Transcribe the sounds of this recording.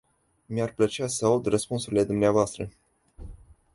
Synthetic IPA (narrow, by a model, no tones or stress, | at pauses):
miarplət͡ʃeasəaud̪rəspunsuɾile̞d̪umneavoast̪ɾə